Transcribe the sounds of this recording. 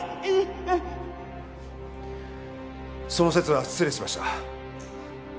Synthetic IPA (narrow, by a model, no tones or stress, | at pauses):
so̞no̞se̞t͡sɨβḁt͡sɨɾeɕimaɕi̥t̪a